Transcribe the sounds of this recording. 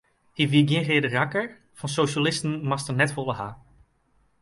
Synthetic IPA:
hiviɡjɛ̃χedərakəɹ | v̥ɑnsowʃalɪstənmɑstənɛtfɔlˠəɦaː

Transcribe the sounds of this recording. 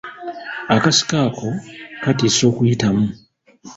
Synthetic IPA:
akasi̥kaːkʰo̞katiːso̞ːkujitamu

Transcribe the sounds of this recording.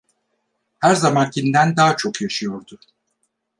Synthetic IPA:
hæɾzamancʰind̪ænd̪aːt͡ʃʰo̞kjaʃɯjo̞ɾd̪ʊ

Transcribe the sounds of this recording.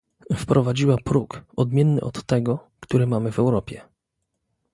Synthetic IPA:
fpɾʔɔvad͡ʑiwapɾukɔd̪mʲjɛnːɘ̰ʔɔt̪ːɛɡɔ | kt̪uɾɘmamɘvɛwɾɔpʲjɛ

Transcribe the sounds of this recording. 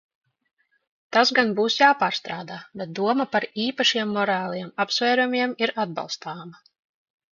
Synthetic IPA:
t̪azɡanbuːsjaːpaːɾst̪ɾaːd̪aːbɛt̪̚d̪uɔmapaɾiːpaʃiɛmːɔɾaːlˠiɛmapsvɛːɾumʲiɛmiɾad̪̚ba̰lˠst̪aːma

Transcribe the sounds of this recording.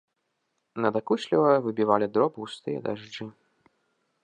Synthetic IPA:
nɐd̪akuɕʲlʲivɐvɨbʲivalʲid̪ɾɔbɨwst̪ɨjɐ̰d̪aʐd͡ʐɨ

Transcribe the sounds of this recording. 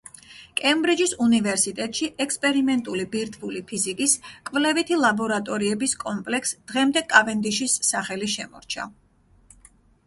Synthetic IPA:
kʼɛmbɾid͡ʒisunivɛɾsit̪ʼɛt̪ʼʃiʔɛkspʼɛɾimɛnt̪ʼulibiɾt̪ʰvulipʰizikʼiskʼvlɛvit̪ʰilˠabɔɾat̪ʼɔɾiɛbiskʼɔmpʼlɛksd̪̥ʁɛmd̪ɛkʼavɛnd̪iʃisːaχɛliʃɛmɔ̰ɾt͡ʃʰa̰

